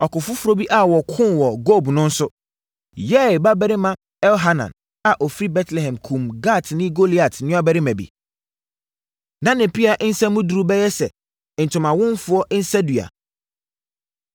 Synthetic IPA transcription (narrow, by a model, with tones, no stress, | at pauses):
ɔ˨kʊ˨fʊ˦fʊ˦ɾo˦bi˦ʔa˨wɔ˨kʰʊ̃˦wɔ˨ɡo˦˨bnʊ̃˦n̩˦sʊ˦ | jɛ˦˨ba˦bɛ˦ɾɪ˦mã˦ | ɛ˦lɦa˦nã̰˨n | a˨ʔo˨fɾi˦bɛ˦tʰlɛ˨ɦɛ̃˨mkʰũ˨mɡa˦˨tʰnɪ̃˦ɡo˦li˨a˨tʰnɪ̃˦a˦bɛ˦ɾɪ˦mæ̃˨bḭ˨ | nã˦nɪ̃˨pʰi˦a˨ʔn̩˦sɛ˦mũ˦du˨ɾu˦bɛ˦jɛ˦sɛ˨ | n̩˨tʰʊ̃˨mã˨wʊ̃˦nfʊ˦ɔ˦ʔn̩˦sɛ˦du˨a̰˨